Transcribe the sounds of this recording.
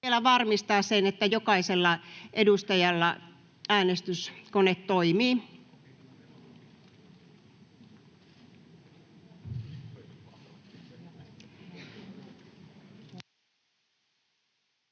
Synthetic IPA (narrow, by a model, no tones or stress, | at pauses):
elæʋɑrmist̪ɑːssenet̪ːæjokɑiselːɑʔedust̪ɑjɑlːɑ | æːnest̪yskonet̪t̪oimiː